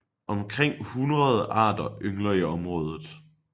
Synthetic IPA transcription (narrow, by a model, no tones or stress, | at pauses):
ʔɒ̽mkʰʁeŋ̰hunʁɐð̞ˠəʔɑ̰̈ːd̥ɐøŋlɐiɒ̽mʁɔ̽ːð̞ˠð̩ˠ